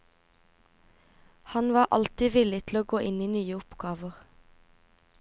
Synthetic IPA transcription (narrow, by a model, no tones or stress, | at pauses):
hɑnʋɑːʔɑ̰lt̪ɪʋɪlɪt̪ʰl̩oːɡoːʔɪniːnyːəʊpɡɑːʋəʁ